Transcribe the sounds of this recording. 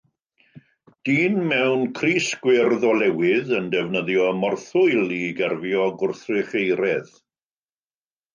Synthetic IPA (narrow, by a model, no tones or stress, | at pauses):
d̥iːnmɛwnkʰriːsɡ̥wɪrðɔlˠɛwɪðəndɛvnəðjɔmɔrθʊɨlˠiɡɛrvjɔɡʊrθrɪχejɾɛð